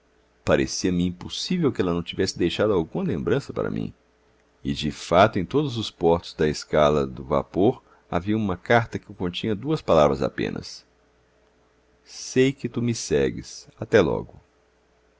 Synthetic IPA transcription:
paɾʔḛsiɐmɪĩposivewkɪɛlɐnɐ̃w̃t͡ʃivɛsɪd̪ejʃad̪ʊawɡũmɐlẽmbɾɐ̃sɐpa̰ɾɐ̰mḭ̃ | ɪd͡ʒɪfat̪ʊẽj̃t̪od̪ʊzʊspɔɾt̪ʊzd̪ɐeskalɐd̪ʊva̰poɾ | a̰viɐũmɐkaɾt̪ɐkɪekõnt͡ʃĩɲɐd̪uɐspalavɾɐza̰pḛ̃nɐ̰s | sejkɪt̪umɪsɛɡɪ̰sat̪ɛlɔ̰ɡʊ

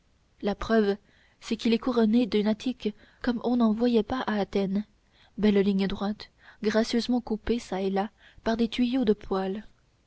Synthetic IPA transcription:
lapχœv | sɛkilɛkuʁɔned̪ynat̪ʰik | kɔmɔ̃nɑ̃vwajɛpaʔaːt̪ɛn | bɛlliɲəd̪ʁwat̪ | ɡʁasjøzmɑ̃kupesaɛla | paʁd̪et̪ɥijod̪əpʰwal

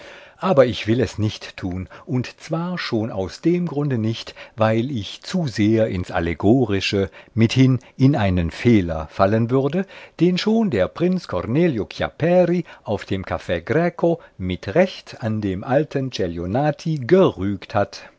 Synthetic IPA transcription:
ʔaːbɐɪçv̥ɪlɛsnɪçtːʰuːnʔʊntt͡sv̥aːɐʃoːna̰ʊsd̥eːmɡʁʊndənɪçtvaɪlɪçt͡suzeːɐʔɪnsʔa̰leɡoːʁɪʃəmɪthɪn | ɪnʔaɪnənfeːlɐ̰falənvʏɐdəd̥eːnʃoːndeːɐpʁ̥ɪnt͡skʰɔʁneːljokʰja̰pɛʁiʔaʊfd̥eːmkʰafɛːɡʁɛːkʰomɪtʁɛçtandeːmʔaltʰənt͡ʃɛljonaːtʰiɡəʁyːkthat

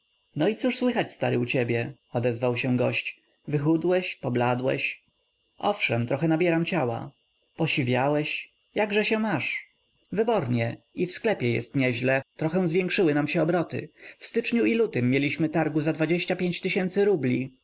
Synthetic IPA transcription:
nɔit̪suʂswɘxat͡ɕst̪aɾɘ̰ut͡ɕɛbʲjɛ | ɔd̪ɛzvawɕɛ̃ɡɔɕt͡ɕ | vɘxud̪wɛɕpɔblad̪wɛ̰ɕ | ʔɔfʂɛmt̪ɾɔxɛnabʲjɛɾamt͡ɕawa̰ | pɔɕivʲjawɛɕ | jaɡʐɛɕɛmaʂ | vɘbɔɾɲɛ | ifsklɛpʲjɛjɛ̰st̪ɲɛʑlɛt̪ɾɔxɛ̃w̃zvʲjɛ̃ŋkʂɘwɘnamɕɛɔbɾɔt̪ɘ̰fst̪ɘt͡ʂɲuilut̪ɘmːʲjelʲiɕmɘt̪aɾɡuzad̪vad͡ʑeɕt͡ɕapʲjeɲt͡ɕt̪ɘɕɛnt̪sɘɾublʲi

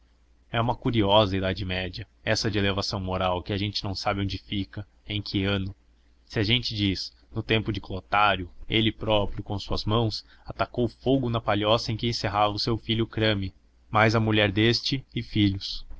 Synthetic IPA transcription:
ɛũmɐkuɾiɔzɐid̪ad͡ʒɪmɛd͡ʒɐ | ɛsɐd͡ʒɪelevasɐ̃w̃moɾawkɪaʒẽnt͡ʃɪnɐ̃w̃sabɪõd͡ʒɪfikɐ | ẽj̃kʰɪɐ̃nʊ | sɪaʒẽnt͡ʃɪd͡ʒis | nʊt̪ẽmpʊd͡ʒɪklˠot̪aɾjʊelɪpɾɔpɾjʊkõsuɐzmɐ̃w̃s | at̪akowʊfoɡʊnɐpaʎɔsɐẽkɪẽseɦavɐʊsewfiʎʊkɾɐ̃mɪ | majzɐmuʎɛɾd̪est͡ʃɪɪfiʎʊs

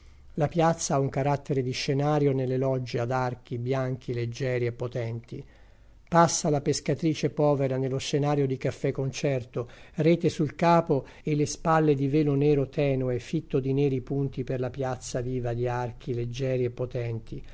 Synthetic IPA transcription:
lapjat̪sːaauŋkaɾat̪ːeɾed̪iʃːenaːɾjonelːelɔd͡ʒːead̪ark̟ibjaŋk̟ʰiled͡ʒːɛːɾiepːot̪ɛnt̪i | pasːalapeskat̪ɾiːt͡ʃepɔːveɾanelːoʃːenaːɾjod̪ikafːɛkːont͡ʃɛrt̪orɛːt̪esulkaːpo | elːespalːed̪ivɛːlonɛːɾot̪ɛːnoefit̪ːod̪inɛːɾipunt̪iperlapjat̪sːaviːvad̪iark̟iled͡ʒːɛːɾiepːot̪ɛnt̪ʰi

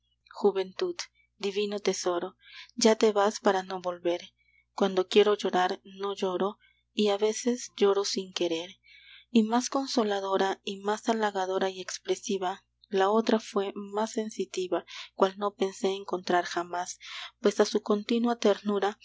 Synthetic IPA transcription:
xuβe̞nt̪ud̪ | d̪iβino̞t̪e̞so̞ɾo̞ | d͡ʒat̪e̞βaspaɾano̞βo̞lβe̞ɾ | kwand̪o̞kje̞ɾo̞ʝo̞ɾaɾno̞ʝo̞ɾo | iaβe̞se̞sd͡ʒo̞ɾo̞siŋke̞ɾeɾ | imasko̞nsolaðo̞ɾaimasalaɣað̞o̞ɾaie̞kspɾe̞siβa | lao̞t̪ɾafwe̞masːe̞nsit̪iβakwalno̞pe̞nse̞ːŋko̞nt̪ɾaɾxamaspwe̞sasuko̞nt̪inwat̪eɾnuɾa

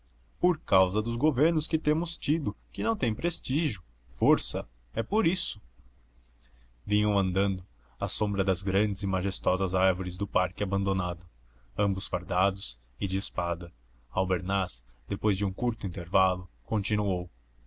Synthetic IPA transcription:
poɾkawzɐd̪ʊzɡoveɾnʊskɪt̪ẽmʊst͡ʃid̪ʊkɪnɐ̃w̃t̪ẽj̃pɾest͡ʃiʒjʊ | foɾsɐ | ɛpoɾisʊ̥ | vĩɲɐ̃w̃ɐ̃nd̪ɐ̃nd̪ʊ | asõmbɾɐd̪ɐzɡɾɐ̃nd͡ʒɪzɪmaʒest̪ɔzɐzaɾvoɾɪzd̪ʊpaɾkɪabɐ̃nd̪onad̪ʊ | ɐ̃mbʊsfaɾd̪ad̪ʊs | ɪd͡ʒɪːspad̪ɐ | awbeɾnasd̪epojzd͡ʒɪũkuɾt̪ʊĩnt̪eɾvalʊkõnt͡ʃinuow

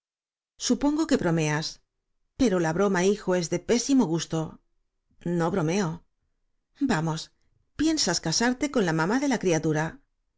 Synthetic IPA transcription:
supo̞ŋɡo̞ke̞βɾo̞me̞as | pe̞ɾo̞laβɾo̞maixo̞e̞zðe̞pe̞simo̞ɣ̞ust̪o̞ | no̞βɾo̞me̞o̞ | bamo̞s | pje̞nsaskasaɾt̪e̞ko̞nlamamaðe̞lakɾiat̪uɾa

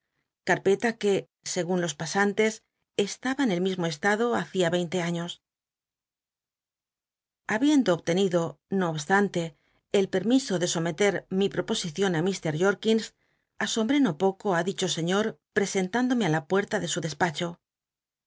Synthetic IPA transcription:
kaɾpe̞t̪ake̞ | se̞ɣunlo̞spasant̪e̞s | est̪aβaene̞lmizmo̞e̞st̪aðo̞aθiaβe̞jnt̪e̞aɲo̞s | aβje̞nd̪o̞ːβt̪e̞niðo̞ | no̞ːβst̪ant̪e̞ː | lpe̞ɾmiso̞ðe̞so̞me̞t̪e̞ɾmipɾo̞po̞siθjo̞namist̪e̞ɾʝo̞ɾkins | aso̞mbɾe̞no̞po̞ko̞aðit͡ʃo̞se̞ɲo̞ɾpɾe̞se̞nt̪and̪o̞me̞alapwe̞ɾt̪aðe̞suðe̞spat͡ʃo̞

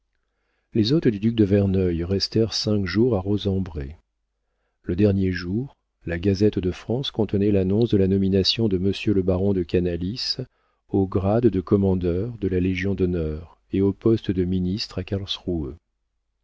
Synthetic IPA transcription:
lezot̪d̪yd̪yk̚d̪əvɛʁnœjʁɛst̪ɛʁsɛ̃kʒuʁaʁozɑ̃bʁe | ləd̪ɛʁnjeʒuːʁ | laɡazɛt̪d̪əfχɑ̃skɔ̃t̪ənɛlanɔ̃sd̪əlanɔminasjɔ̃d̪əməsjøləbaʁɔ̃d̪əkanalis | oɡʁad̪ːəkɔmɑ̃d̪œʁd̪əlaleʒjɔ̃d̪ɔnœʁ | eopɔst̪d̪əminist̪χakalsʁuø

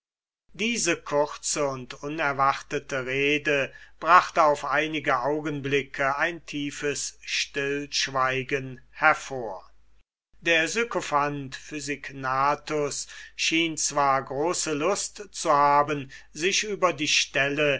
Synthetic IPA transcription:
diːzəkʰʊʁt͡səʊntʊnɛɐvaχtətəʁeːdəb̥ʁaχtəaʊfʔaɪnɪɡəʔaʊɡənblɪkʰəaɪntʰiːfəsʃtɪlʃv̥aɪɡənhɛɐfoːɐ | deːɐzykofantfyzɪknaːtʊsʃiːnt͡sv̥aːɐɡʁoːsəlʊstt͡suhaːbən | zɪʃʔyːbɐdiːʃtɛlə

